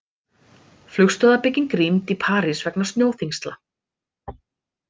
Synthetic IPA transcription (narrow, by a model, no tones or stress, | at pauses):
flʏxst̪œðapɪcːɪŋkɾimt̪ipʰaːɾɪsvɛknḁsjoːwθiŋst̪la